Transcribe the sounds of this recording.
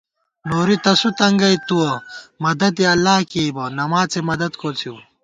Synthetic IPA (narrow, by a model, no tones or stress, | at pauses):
noːɾit̪ɐsut̪ɐŋɡɐjt̪uwomɐd̪ɐd̪iɐlːaːkiibonɐmaːt͡semɐd̪ɐd̪kʰoːt͡sʰju